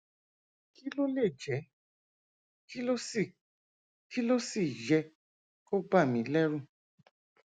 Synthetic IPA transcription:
ki˦lo˦le˦˨d͡ʒɛ˨˦ | ki˦lo˦˨ | ki˦lo˦si˦˨d͡ʒɛ˧ | ko˦ba˦˨mĩ˨˦lɛ˦ɾũ˦

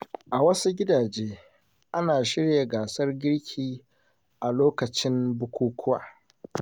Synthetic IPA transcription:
ʔa˨wɐ˦su˦ɡʲɪ˦daː˨d͡ʒeː˦ | ʔa˦naː˨ʃɪ˦ɽja˨ɡaː˨sɐ˦rɡʲɪ˦ɽkʲʰiː˦˨ | ʔa˨loː˦kɐ˨t͡ʃɪ˦mbʊ˦kʷuː˦kʰʷʊ˦wa̰ː˨

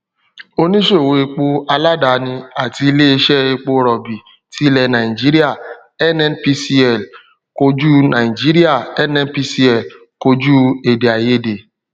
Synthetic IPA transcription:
o˧nĩ˦ʃo˦˨wo˧˨e˧k͡po˧a˧la˦da˨nĩ˧a˨ti˧i˧le˦e˧ʃɛ˦e˧k͡po˧ɾɔ˨bi˨ | ti˦lɛ˧nã˨ĩ˨d͡ʒi˦ɾi˦a˦˨ | ɛ˦nɛ˦npi˧si˦ɛ˦˨l | ko˧d͡ʒu˦nã˨i˨d͡ʒi˦ɾi˦a˦˨ɛ˦nɛ̃˧npi˧˦si˦ɛ˦˨l | ko˧d͡ʒu˦e˨de˨a˨je˦˨de˨

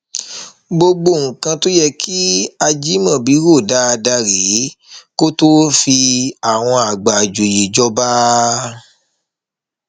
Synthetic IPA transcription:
ɡ͡bo˧ɡ͡bo˧˨ŋ̩˨kã˧to˦jɛ˦kʰi˦a˧d͡ʒi˦mã˦˨bi˨˦ɾo˦˨da˨˦a˧da˧ɾe˨˦ko˦to˦fi˧a˨w̃ɔ̃˧a˨ɡ͡ba˨d͡ʒo˨je˨d͡ʒɔ˦ba˦

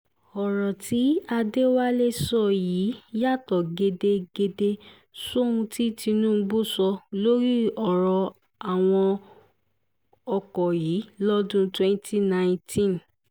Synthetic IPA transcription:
ɔ˨ɾɔ˨tʰi˨˦a˧de˦wa˦le˦sɔ˧˨jiː˨˦ja˦˨tɔ˨ɡe˧de˧ɡe˧de˧ | so˦ũ˧tʰi˦ti˧nũ˦˧ɡ͡bo˦˨sɔ˧lo˦ɾi˦ɔ˨ɾɔ˨˧ | a˨w̃ɔ̃˧ | ɔ˧kɔ˨jiː˨˦lɔ˦dũ˦twɛ˦n˦tʰi˦nã˦˨tʰĩ˦˨n

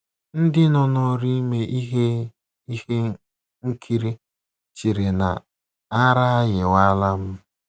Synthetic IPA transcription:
n̩˦dɪ˦nɔ˨nɔ˦ɾi˦me˦ʔi˦ɦe˦ | i˦he˦ | ŋ̩˦kʰi˦ɾi˦ | t͡ʃi˨ɾe˨na̰˨ | a˦ɾa˦a˦jɪ˨wa˦la˦m̩˦

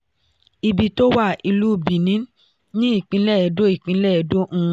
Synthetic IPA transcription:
i˧bi˧to˦wa˦˨i˧lu˦˨bi˨nĩ˨˦ | nĩ˦i˦˨k͡pĩ˧˦lɛ˦˨ɛ˧do˦i˦˨k͡pĩ˨˧˦lɛ˦ɛ˧dõ˦˧˦

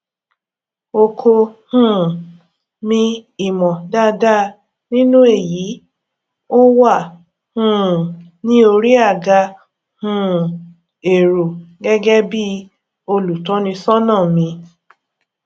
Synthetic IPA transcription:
o˧kʰo˧hũ˦˨ | mĩ˧i˨mɔ̃˨da˦da˦ | nĩ˦nũ˦e˦˨ji˨˦ | o˦wa˦˨ | hũ˦˨ | nĩ˦o˧ɾi˦a˦˨ɡa˧ | hũ˦ | e˨ɾo˨ɡɛ˦ɡɛ˦bi˦ | o˧lu˨tɔ̃˨˦nĩ˧sɔ˦nãː˦˨mĩ˧

